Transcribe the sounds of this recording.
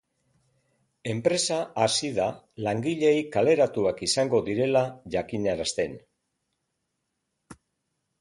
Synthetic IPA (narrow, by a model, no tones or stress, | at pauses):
e̞mpɾe̞saasiða | laŋɡiʎe̞jkale̞ɾat̪uakisaŋɡo̞ðiɾe̞laʝakiɲaɾast̪e̞n